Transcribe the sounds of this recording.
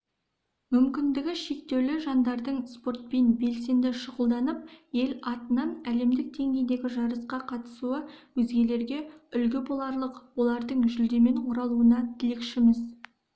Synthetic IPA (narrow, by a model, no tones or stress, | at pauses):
mʏmkʲɪnd̪ɪɡʲɪʃe̞k̚t̪e̞wlɪʒɑnd̪ɑɾd̪əɴspo̞ɾt̪̚pe̞nbe̞lse̞nd̪ɪʃəʁəlˠd̪ɑnəp̚je̞lɑt̪ənɑnæle̞md̪ɪk̚d̪e̞ŋɡʲe̞jd̪e̞ɡʲɪʒɑɾəsqɑqʰɑt̪ə̥suəwɵzɡʲe̞le̞ɾɡʲe̞ʏlɡʲɪbolˠɑɾlˠəqwo̞lˠɑɾd̪əɴʒʏld̪e̞me̞ɴqʰoɾɑlˠuənɑt̪ʰɪlekʃɪmɪz